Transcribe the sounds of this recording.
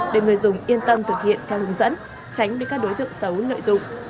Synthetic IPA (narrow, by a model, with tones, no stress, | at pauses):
ɗe˨˧˩ŋɨ˨˩əjzʊ˨˩ŋ͡mʔi˧ənt̪ə˧mt̪ʰɨ˨˩k̚hḭ˧˨ənt̪ʰɛ˧whɨ˨˦ŋzə̰˧˥n | t͡ɕa˨˦jŋ̟ɓkaː˦˥k̚ɗo˨˦jt̪ɨ̰˧˨əŋsə˨˦wlə̰ː˧˨jzʊ̰˧˨ŋ͡m